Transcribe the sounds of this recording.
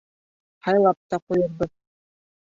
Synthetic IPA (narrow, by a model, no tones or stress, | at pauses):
hɑjlˠɑp̚t̪ɑqujɤ̆ɾbɤð